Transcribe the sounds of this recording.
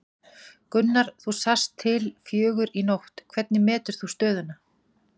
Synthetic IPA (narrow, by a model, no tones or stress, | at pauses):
kʏnːaɾ̥θusast̪ʰːɪlfjœːɣʏɾinowht̪kʰv̥ɛt̪̚nɪmɛːt̪ʏɾ̥θust̪œːðʏna